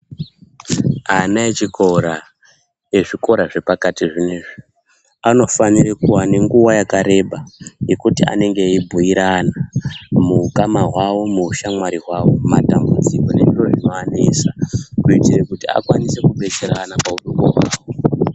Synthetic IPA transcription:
anaet͡ʃikoɾa | je̞ʐiko̞ɾaʐe̞pakatiʐineːʐi | ano̞fanirekuwane̞ŋɡuwajakaɾe̞ɓaje̞kutia̰ne̞ŋɡe̞ibʱuiɾanamuukamaɦwawo̞muʃamwaɾiɦwawo̞ma̰tambud͡ziko̞ne̞ʐiro̞ʐino̞anesakuitirekutia̰kwanise̞kuɓe̞t͡seɾanapauɗuŋɡo̰ɦwa̰ːwo

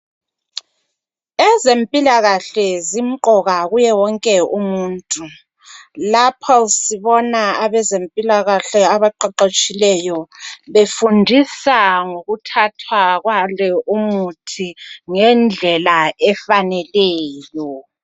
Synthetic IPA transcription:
ɛzempʼilaɣaɬɛzim̩ǃɔɣaɣujɛwɔŋkʼɛumuːntʼu | lapʰɔsiβɔnaaβɛzempʼilaɣaɬɛaβaǃaǃot͡ʃʼilɛjɔβefundʱisaŋoɣutʰatʰwaɣwalɛʔumutʰiŋɛnd͡ɮʱɛlaʔɛfanɛlɛːjɔ

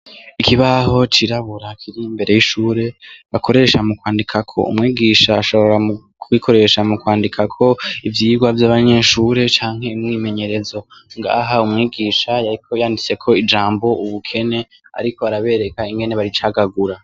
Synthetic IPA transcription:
ikiβaho̞t͡ʃiɾaβuɾakʰiɾiːmbe̞ɾe̞jiʃuːɾe̞βakʰo̞ɾe̞ʃamukwaːndikʰakʰo̞̰ṵmŋiːɡiʃaːʃo̞βo̞ɾamu | kʰwikʰo̞ɾe̞ʃamukwaːndikʰakʰo̞ivjiːɡwavjaːβaɲe̞ʃuːɾe̞t͡ʃaːŋ̥he̞imŋime̞ɲe̞ɾe̞zo̞ŋɡa̰ːɦaumŋiːɡiːʃajaɾikʰo̞jaːndit͡se̞kʰo̞id͡ʒaːmbo̞uβukʰe̞ne̞ | a̰ɾiko̞aɾaβe̞ːɾe̞kaiŋɡe̞ne̞βaɾit͡ʃaɡaɡuɾa

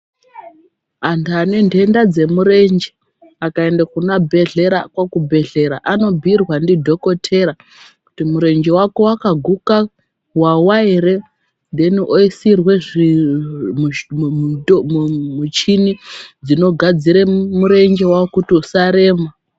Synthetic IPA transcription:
andːne̞ndʱe̞ndad͡ze̞muɾe̞nd͡ʒe | akaendakunabʱe̞ɮe̞ɾa̰kwakubʱe̞ɮe̞ɾaʔano̞bʱirwandidʱo̞ko̞tʰe̞ɾa | ku̥timuɾe̞nd͡ʒe̞wako̞wakaɡʱuka | wawaiɾe̞ | ndeniʔoisirwe̞ʐi | mut͡ʃinid͡zino̞ɡʱad͡ziɾemuɾe̞nd͡ʒewakutiusaɾe̞ːma

